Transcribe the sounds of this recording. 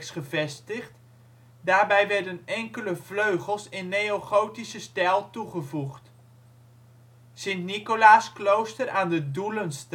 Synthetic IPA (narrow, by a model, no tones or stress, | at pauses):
sχəvɛstəχt | daːɹbɛjʋɛɹdənɛŋkələvløɥχəlˠsɪnːejoχowtisəstɛlˠtuχəvuχt | sɪntnikolaːsklowstəɾʔaːndədulənst